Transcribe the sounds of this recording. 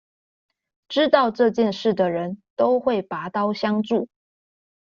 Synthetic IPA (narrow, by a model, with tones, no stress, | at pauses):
ʈ͡ʂɻ̩˥t̪ɑ˥˧ʊʈ͡ʂɤ˥˧t͡ɕjɛ˥˧nʂɻ̩˥˩d̪ə˩ɻə˧˦nt̪o˥ʊxwe˥˩ɪpa˧˥t̪ɑ˥ʊɕjɑ˥ŋʈ͡ʂu˥˩